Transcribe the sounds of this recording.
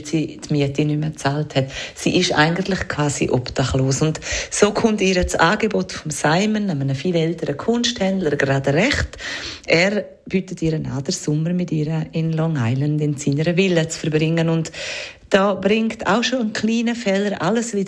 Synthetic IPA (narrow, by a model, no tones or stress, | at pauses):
tsiːtmiətinʏmət͡saːlthɛtsḭːʔɪʃa̰ɪɡəntlɪχkʰv̥aːsḭʔɔptaχloːsʊntsoːkʰʊmtiːɾət͡saːɡebotfɔmsaɪmənamənəfiːlɛltəɾəkʰʊnʃthɛndləɾɡɾaːdɾɛχtʔɛːɾ | b̥yːtətiːɾənaːd̥əɾsʊməɾmɪtiːɾəɪnlɔŋaɪlandɪnsiːnəɾəvɪlət͡sfəɾbɾɪŋːənʊntd̥ɔːbɾɪŋkta̰ʊʃoənkʰliːnəfɛləɾʔaləsviː